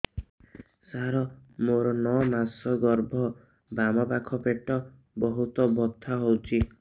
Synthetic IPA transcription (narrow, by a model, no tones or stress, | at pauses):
saɾɔmoɾɔnɔmasɔɡɔɾbʱɔ | bamɔpakʰɔpeʈɔ | bɔɦut̪ɔbɔt̪ʰːaɦowt͡ʃʰi